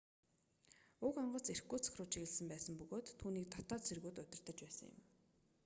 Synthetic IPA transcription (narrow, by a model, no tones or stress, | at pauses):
ʊkɔɴɢɞ̆t͡serxɡɡuːt͡sʰɔ̥xʲrʊːt͡ɕʰiɣɘ̆ɮsə̆mpæːsə̆mpɵɣoːt̪ʰːuːniːk̚t̪ʰɔ̥t̪ɔːt̪sʰerɣuːt̪ʊt̪ʲɪ̆r̥t̪ə̆t͡ɕpæːsə̆ŋjɪ̰̆m